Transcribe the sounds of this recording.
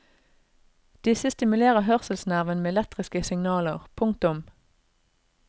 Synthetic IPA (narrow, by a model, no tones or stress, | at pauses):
d̪̥ɪsəst̪ɪmʉleːʁəɦœʁsəlsnæʁʋənmeːɛlɛt̪ʁɪskəsɪŋnɑːləʁpʰʊŋk̚t̪ʊm